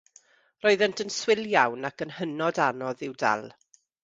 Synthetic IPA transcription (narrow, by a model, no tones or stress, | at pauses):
rɔɨðɛntʰənswɪlˠjawnakənhənɔdanɔðɪwda̰lˠ